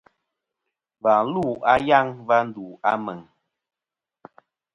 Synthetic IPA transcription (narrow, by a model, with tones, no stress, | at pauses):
va˨˦lu˦˨a˦ja˦˨ŋva˦n̩˦du˨a̰˦mɛ˨ŋ